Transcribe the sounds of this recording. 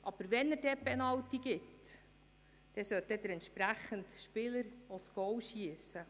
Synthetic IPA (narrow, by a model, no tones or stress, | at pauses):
ʔɑb̥əɾʋɛnːəɾdɛpɛnɑwtiɡɪt | d̥ɛsœt̚dɛd̪əɾɛnt̪ʃpɾæχəntʃpɪləɾɔt͡sɡ̥ɔwʃiəsə